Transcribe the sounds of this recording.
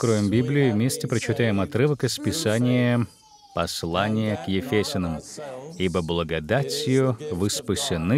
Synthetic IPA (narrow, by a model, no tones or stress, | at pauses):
kɾovʲɪmbʲiblʲɪɪvmʲesʲtʲɪpɾət͡ɕɪt̪ajɪmɐt̪ɾɨvəkəspʲɪsanʲɪjə | pɐslˠanʲɪjəkjɪfʲesʲɪnəmibəblˠəɡɐd̪at͡sʲjʊvɨspɨsʲɪnɨ